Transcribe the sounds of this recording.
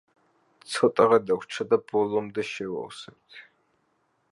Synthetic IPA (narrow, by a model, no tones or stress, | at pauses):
t͡sʰɔt̪ʼɐʁɐd̪ɐkʷt͡ʃʰɐd̪ɐbɔlɔmd̪ɐʃɛwɔ̰wsɐt̪ʰ